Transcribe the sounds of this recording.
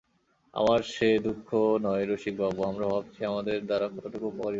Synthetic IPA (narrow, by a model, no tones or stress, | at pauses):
a̰maɾʃed̪ukʰːonɔeɾoʃik̚bʱaboamɾabʱab̚t͡ɕʰiamad̪eɾd̪aɾakʰɔoʈokopɔɾi